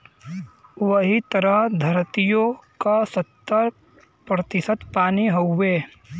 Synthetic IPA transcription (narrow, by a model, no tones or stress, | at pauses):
ʋəɦit̪əɾəɦd̪ʱəɾt̪ijõkasət̪ːəɾ | pɾət̪ɪsət̪paːniɦoːeː